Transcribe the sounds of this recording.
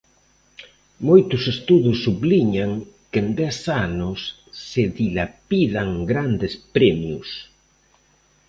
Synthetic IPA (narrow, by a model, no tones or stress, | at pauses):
mojt̪ʊsest̪uðʊsːuβliɲaŋkend̪ɛsanʊsː | eðilapiðaŋɡɾand̪espɾɛmjus